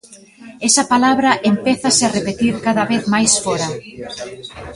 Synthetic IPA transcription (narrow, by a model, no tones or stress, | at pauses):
ɛsɐpalaβɾɐʔempeθɐsearepet̪iɾkaðɐβeθmajsfɔɾɐ